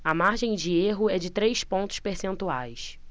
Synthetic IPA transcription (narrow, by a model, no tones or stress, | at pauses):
ɐmaɾʒẽj̃d͡ʒɪeɦʊɛd͡ʒɪt̪ɾejspõnt̪ʊ̥ʃpeɾsẽnt̪uajs